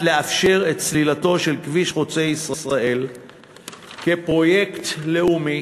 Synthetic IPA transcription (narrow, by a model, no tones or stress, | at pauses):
leafʃe̞ʁe̞t̪̚t͡slilato̞ʃe̞lkviʃχot͡se̞jisʁasʁaʔe̞l | ke̞pʁo̞je̞kt̪le̞umi